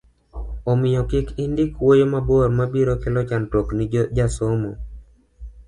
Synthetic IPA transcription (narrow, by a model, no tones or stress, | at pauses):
omɪjɔkɪkɪndɪkwojomaboɾmabiɾɔkɪlɔt͡ʃantoknɪd͡ʒd͡ʒasomo